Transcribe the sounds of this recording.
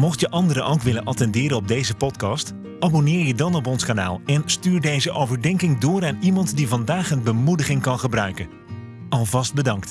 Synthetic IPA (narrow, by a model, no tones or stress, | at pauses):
mɔχtjəʔɑndəɾəʔowkʋɪlənʔɑtɛndɪːɾənɔb̚dejzəpɔtkɑst | ʔaːbonɪːɹjədɑnɔp̬ɔnskana̰ːlˠɛnstyːɹdejzəʔowvəɹdɛŋkɪŋdʊːɾaːnimɑntdivɑndaːχənbəmudəχɪŋkɑnχəbrœɥkən | ɑlˠvɑst̚bədɑŋkt